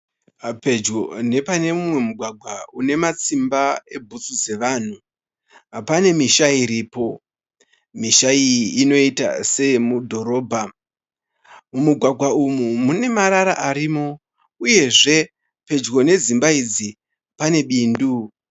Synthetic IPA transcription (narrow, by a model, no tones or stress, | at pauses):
pe̞d͡ʒɡone̞pane̞mumwe̞muɡʱwaɡʱwaune̞mat͡simbae̞bʱut͡sud͡ze̞ʋan̤u | ɦapane̞miʃaiɾiːpo̞ | miʃaiiːno̞ita̰se̞mudʱo̞ɾo̞ːbʱa | mumuɡʱwaɡʱwaumumune̞maɾaɾa̰ʔaɾimo̞ | uje̞ʐe̞ | pe̞d͡ʒɡo̞ne̞zimbaid͡zi | pane̞ɓiːndu